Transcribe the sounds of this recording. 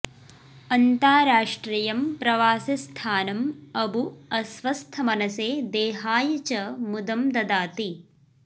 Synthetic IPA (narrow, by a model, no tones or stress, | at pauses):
ɐnt̪aːɾaːʂʈɾiːjɐmpɾɐʋaːsɐst̪ʰaːnɐmɐbʱuɐsʋɐst̪ʰɐmɐnɐseːd̪eːɦaːjɐt͡ʃɐmud̪ɐmd̪ɐd̪aːt̪i